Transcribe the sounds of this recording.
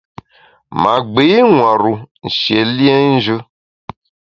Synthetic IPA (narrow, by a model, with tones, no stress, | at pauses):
mã˨ɡ͡be˨˦i˦ŋwã˨ɾu˨n̩˨ʃi˨e˨li˦e˦ʒə˦